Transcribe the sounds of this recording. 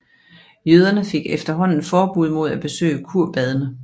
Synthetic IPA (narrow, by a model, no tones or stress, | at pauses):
jøð̞ˠɐnəfe̝ɡ̥efd̥ɐɦɒ̽n̰n̩fɒːb̥uð̰ˠmo̝ð̞̰ˠæb̥e̝sø̰ːəkʰuɐ̰b̥ɛð̞ˠənə